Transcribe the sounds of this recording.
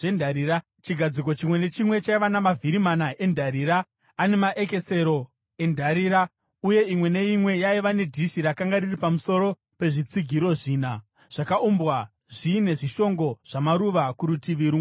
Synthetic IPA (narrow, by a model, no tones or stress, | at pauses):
endʱaɾira | t͡ʃiɡʱad͡ziko̞t͡ʃimwe̞ne̞t͡ʃimwe̞t͡ʃaiʋanamavʱiɾimanaʔe̞ndʱaɾiːɾaː | ne̞maʔeke̞se̞ɾo̞ | e̞ndʱaɾiɾa | uje̞imwe̞ne̞imwe̞jaiʋane̞dʱiʃiɾakaŋɡariripamuso̞ɾo̞ | pe̞ʐit͡siɡʱiɾo̞ʐiːna | ʐ̥akaumbwa | ʐiːne̞ʐiʃo̞ŋɡo̞ʐ̥amaɾuʋakuɾutiʋiɾu